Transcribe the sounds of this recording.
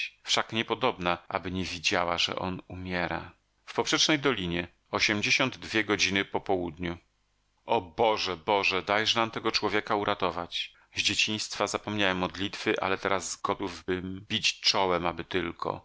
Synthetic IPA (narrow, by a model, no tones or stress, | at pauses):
fʂakɲɛpɔd̪ɔbnaʔa̰bɘɲɛvʲid͡ʑawaʐɛ̰ʔɔ̰numʲjɛɾa̰ | fpɔpʂɛt͡ʂnɛjd̪ɔlʲiɲɛ | ɔɕɛmd͡ʑeɕɔnd̪ːvʲjɛɡɔd͡ʑinɘpɔpɔwud̪ɲu | ʔɔbɔʐɛbɔʐɛd̪ajʐnamt̪ɛɡɔt͡ʂwɔvʲjɛkauɾʔat̪ɔvat͡ɕ | zd͡ʑet͡ɕiɲ̃st̪fazapɔmɲawɛmːɔd̪lʲit̪fɘʔa̰lɛt̪ɛɾazːɡɔt̪uvbɘmbʲit͡ɕt͡ʂɔwɛmabɘt̪ɘlkʰɔ̰